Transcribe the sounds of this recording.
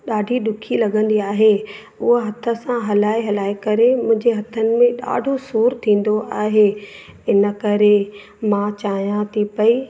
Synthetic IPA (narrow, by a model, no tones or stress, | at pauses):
ɗaːɖʱiɗʊkʰilɐɠə̃nd̪iaːɦe | ʊɦəɦɐt̪ʰə̆sãɦɐlaːiɦɐlaːikɐɾemʊ̃ɦɪ̃ɲd͡ʑeɦɐt̪ʰənɪ̆mẽɗa̰ːɖʱosuːɾt̪ʰĩːn̆d̪oʔaːɦe | ɪnə̆kɐɾe | mãt͡ɕaːijãt̪ʰipɐiː